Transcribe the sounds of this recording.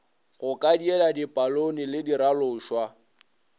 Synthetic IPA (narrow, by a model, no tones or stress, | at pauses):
ɣʊkʼadiɛladipʼalonilɪdiɾalʊːʃwa